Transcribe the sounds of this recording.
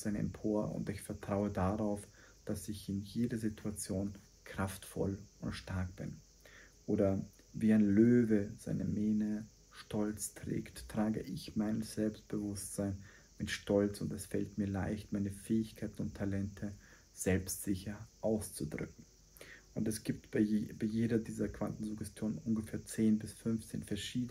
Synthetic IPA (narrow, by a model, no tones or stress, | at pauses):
z̥aɪnɛ̰mpʰoːɐʊ̰ntɪçfɛɐtʁ̥aʊədaʁaʊf | d̥asɪçɪnjeːdɐzitʰuat͡sjoːn | kʁ̥aftfɔ̰lʊntʃtaɐk̚b̥ɪ̰n | ʔoːdɐ | viːaɪnløːvəz̥a̰ɪnəmeːnə | ʃtɔlt͡stʁ̥ɛ̰ːktʁ̥aːɡəʔɪçmaɪnəsz̥ɛlpst̚b̥əvʊstz̥aɪn | mɪtʃtʰɔlt͡sʊntɛsfɛltmiːɐlaɪçtmaɪnəfɛːɪçkʰaɪtn̩ʊntʰːalɛntʰə | z̥ɛlpstz̥ɪçɐʔaʊst͡sudʁʏ̰k̚ŋ̩ | ʔʊntɛsɡ̥iːp̚tb̥abaɪjeːdɐdiːzɐkv̥antn̩zʊɡɛstjoːnənʔʊnɡəfeːɐt͡seːnbɪsfʏnft͡sḛːnfɛɐʃiːd